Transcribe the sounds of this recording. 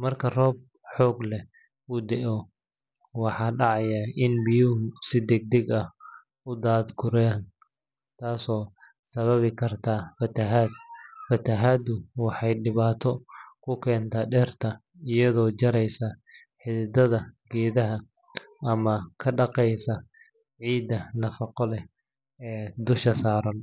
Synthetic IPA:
mɐrkʰɐrɔːb̚ | ħɔːɡlɛ | ʊd̪ɛʔɔ | wɑħɑːɖɑʕɑjaɪnbɪjʊɦʊsɪd̪ɛɡ̚d̪ɛɡɐh | ʊd̪aːd̪ɡʊɾan | t̪ʰaːsɔː | sɐβɐβɪkʰɐrt̪ʰaːfɐt̪ʰɐɦaːd̪fɐt̪ʰɐɦaːd̪ʊwɑħɑjɖɪβaːt̪ʰɔkʰʊkʰɛːnt̪ʰɐɖɛːrt̪ʰɐ | ɪjɐðɔːt͡ʃɐɾɛjsɐħɪðɪd̪ɐðɐɡɛːðɐɦɐ | ʔɐmɐkʰɐɖɑqɛjsɐ | ʕiːd̪ɐnɐfɑqɔlɛ | ɛːd̪ʊʃɐsaːɾɐn

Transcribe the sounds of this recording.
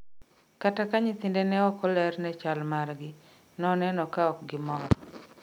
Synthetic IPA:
katakaɲɪt̪ɪndɛnɛɔkɔlɛrnɛt͡ʃalmarɡɪ | nɔnɛnɔkaɔk̚ɡɪmɔɾɔ

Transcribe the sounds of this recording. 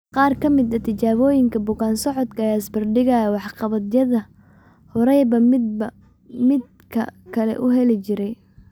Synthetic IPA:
qɑːrkʰɐmɪd̪ɐt̪ʰɪt͡ʃaːβɔːjɪŋkʰɐbʊɣaːnsɔʕɔd̪kʰɐjaːsbɐrɖɪɣajwɑħqɑβɐd̪jɐðɐ | hɔɾɛjbɐ | mɪd̪̚ | kʰɐ̰kʰɐlɛ̰ʔʊɦɛlɪt͡ʃɪɾɛj

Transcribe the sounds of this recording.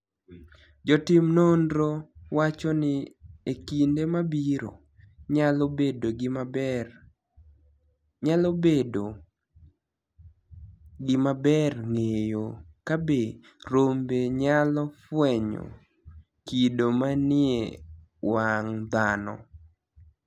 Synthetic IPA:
d͡ʒɔtɪmnondɾowat͡ʃɔnɪekindemabiɾo̰ | ɲalɔbedoɡɪm | ɲalɔbedo | ɡɪmabɛrŋejokabe | ɾombeɲalɔfwɛɲɔ̰ | kidomanɪḛ | waŋd̪anɔ̰

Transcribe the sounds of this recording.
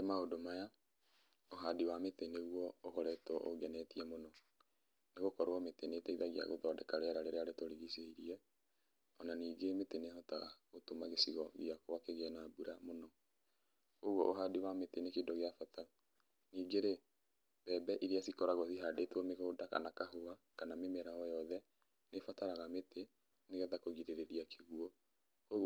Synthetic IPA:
demaodomaja | oɦadiwameteneɣuɔokɔɾɛtɔʔo̰ɡɛnɛtiɛmonɔ | neɣokɔɾoɔmetenetɛiðaɣia̰ɣo̰ðɔdɛkaɾeaɾaɾeɾeaɾetoɾiɣiseiɾiɛ | ɔnaniːɡemetenehɔtaɣaotomaɣesiɣɔɣjakowakeɣeanabuɾamonɔ | koɣwɔʔoɦadewametenekedɔɣeafata | niːɡeɾe | bɛbɛʔiɾiasikɔɾaɣɔθiɦadetwɔmeɣoːdaka̰nakaɦoa | kanamemɛɾaɔjɔðɛ | nefataɾaɣamete | neɣɛðakoɣiɾeɾeðiakʰeɣuɔ | koɣ

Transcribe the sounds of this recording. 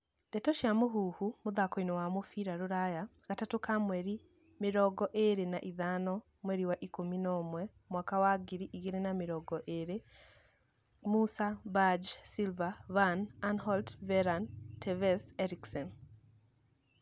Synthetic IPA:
nd̥ɛtɔʃjamoɦuhumoðakɔinɔwamofiɾaɾoɾajaɣatatokamwɛɾi | meɾɔɡɔʔeɾenaʔiðanɔ | mwɛɾiwaʔikominɔmwɛ | mwakawaɡiɾiʔiɣeɾenameɾɔɡɔʔeɾe | musabad͡ʒsilvavananhɔltvɛɾantʰɛvɛsɛɾiksɔn

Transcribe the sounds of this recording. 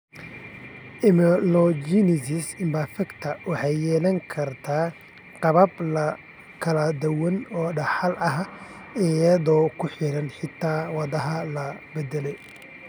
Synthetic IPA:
ʔɪmɛlɔd͡ʒinɪsɪsɪmbafɐkt̪ʰɐwʔɑħɑjːɛːlɐŋkʰɐrt̪ʰaː | qɑβɐblɐ | kʰɐlɐd̪ɐwɐnɔːɖɐħɑlʔɐɦ | ɪjɐðɔːkʰʊħɪɽɐnħɪt̪ʰːaːwɑðɐɦɐlɐbɛd̪ɛlɛj

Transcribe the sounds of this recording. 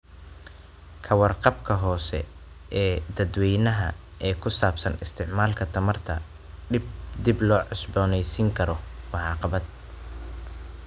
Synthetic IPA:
kʰɐwɑrqɑbkʰɐɦɔːsɛ̰ | ʔɛːd̪ɐd̪wɛjnɐɦɐ̰ | ɛːkʰʊsaːbsɐnɪst̪ʰɪʕmaːlkʰɐt̪ʰɐmɐrt̪ʰɐ̰ | ɖɪbd̪ɪblɔːʕɔsbɔːnɛjsiːŋkʰɐɾɔmɑʕɑːqɑβɐd̪̚

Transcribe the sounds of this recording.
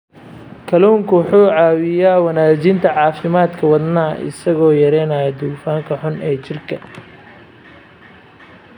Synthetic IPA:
kʰɐluːŋkʰʊwħuːʕɑːwɪjaːwɐnaːt͡ʃɪnt̪ʰɐʕɑːfɪmaːd̪kʰɐwɑd̪naːʔɪ̰sɐɣɔːjɐɾɛːnaːjɐd̪uːfaːŋkʰɐħʊnɛːt͡ʃɪrkʰɐ

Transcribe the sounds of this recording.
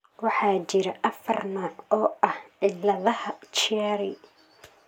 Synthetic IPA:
wɑħɑːt͡ʃɪɾɐʔɐfɐrnaːʕɔːʔɐhʕɪlɐðɐhɐt͡ʃɪjaːɾɪ

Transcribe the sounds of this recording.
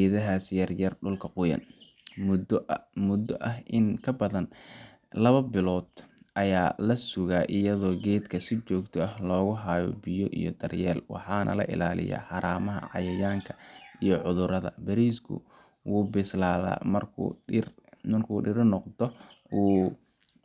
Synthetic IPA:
ɛðɐɦaːsjɐrjɐrɖʊlkʰɐqʊjɐ̰n | m | mʊd̪ɔʔɐɦʔɪnkʰɐbɐðɐn | lɐβɐbɪlɔːd̪ʔɐjaːlɐsʊɣaːʔɪjɐðɔːɡɛːd̪kʰɐsɪt͡ʃɔːɡt̪ʰɔɐhlɔːɣʊɦaːjɔ̰bɪjɔʔḭjɔ̰d̪ɐrjɛːlwɑ̰ħɑːnʔɐ̰lɐ̰ʔɪ̰laːlɪ̰ja̰ːħɑɾaːmɐɦɐ̰ʕɑ̰jɐjaːŋkʰɐ̥ijɔʕʊðʊɾɐðɐ̰bɐɾiːskʰʊ̰ | wuːbɪslaːða̰ːmɐrkʰːrmɐrkʰuːɖɪɾnɔqd̪ɔ | uː

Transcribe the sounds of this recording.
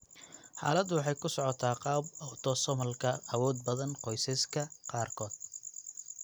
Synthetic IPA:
ħa̰ːlɐd̪ʊwɑħɑjkʰʊsɔʕɔt̪ʰaːqɑːbɐwt̪ʰɔsɔmɐlkʰɐɐwɔːd̪̚bɐðɐnqɔjsɐskʰɐqɑːrkʰɔːd̪̥

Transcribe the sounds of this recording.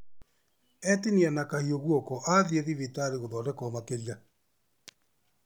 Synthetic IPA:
ɛtinianakahioɣwɔkɔʔaðieðiβitaɾeɣoðɔːdɛkɔmakelia

